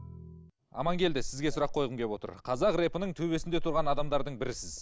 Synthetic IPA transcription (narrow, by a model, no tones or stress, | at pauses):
ɑ̰mɑŋkʲʰe̞ld̪ɪsɪzɡʲe̞sʊɾɑqʰːo̞jʁəmɡʲʰe̞pwo̞t̪ə̰ɾqʰɑzɑqre̞pənəɴt̪ʰɵβe̞sɪnd̪e̞t̪ʰʊɾʁɑnɑd̪ɑmd̪ɑɾd̪əɴbɪɾɪsɪz̥